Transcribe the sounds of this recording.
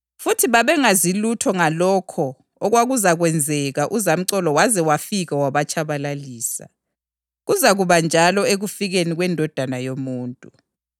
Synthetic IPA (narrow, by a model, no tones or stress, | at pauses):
futʰiβaβɛŋazilutʰɔŋalɔkʰɔ | ɔɣwaɣuzaɣwɛnd͡zʱɛɣaʔuzam̩ǀɔlɔwazɛwafiɣawaβat͡ʃʼʰaβalaliːsa̰ | ɣuzaɣuβand͡ʒʱalɔeɣufiɣeniɣwɛndʱɔd̥ʱanajomuːntʼu